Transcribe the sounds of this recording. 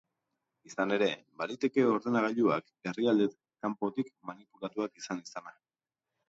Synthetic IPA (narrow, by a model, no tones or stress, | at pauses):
isane̞ɾe̞baɾit̪e̞ke̞o̞ɾðe̞naɣ̞aʎua̰k | e̞riald̪e | kampo̞t̪ikmanipulat̪uakisanisana